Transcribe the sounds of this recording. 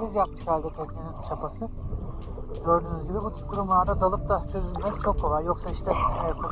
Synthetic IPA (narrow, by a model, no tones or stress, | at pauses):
izjakmɯ̥kalʲd̪ɛt̪ʰyɾcjeninʃʰapʰasɯ | øɾd̪ynyzɟʲibʲɛbut̪ʰy̥p̚kʰuɾumlˠaɾd̪ad̪alˠɯp̚d̪asʰøzynʲmeɾit͡ʃʰo̞kʰːovajjo̞ksaiʃt̪ɛejkʰu